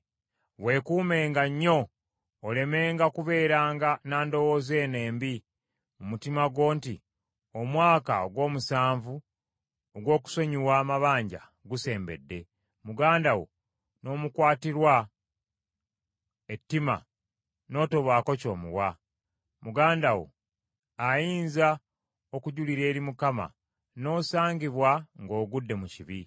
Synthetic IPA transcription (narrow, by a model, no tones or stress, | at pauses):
we̞ːkuːme̞ːŋɡaɲːo̞ː | le̞me̞ːŋɡakuβe̞ːɾaːŋɡanaːndo̞wo̞ze̞ːne̞ːmbi | mumutimaɡwo̞ːnti | omwaːka̰oɡwo̞ːmusaːɱvu | oɡwo̞ːku̥so̞ɲiwaːmaβaːɲɟa̰ | ɡuse̞ːmbe̞̰dːe̞ | muɡaːndawo̞̰ | no̞ːmukwaːtiɾwa | e̞tːima̰ | no̞ːto̞βwaːko̞co̞ːmṵwa | muɡaːndawo̞̰ | ajiːnza | o̞kuɟuliɾe̞ːɾimukama̰ | no̞ːsaːɲɟiβwaŋɡo̞ːɡudːe̞muciβi